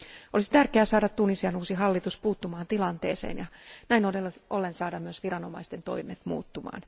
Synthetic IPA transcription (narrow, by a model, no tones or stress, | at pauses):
ʔolisit̪ærkeæsɑːdɑt̪t̪ːunisiɑnuːsiɦɑlːit̪uspuːt̪ːumɑːnt̪ilɑnt̪ḛːsḛːnjɑnæinoelolːensɑːdɑmyøsʋirɑno̞mɑ̰ist̪ent̪o̞̰imet̪mṵːt̪ːumɑ̰ːn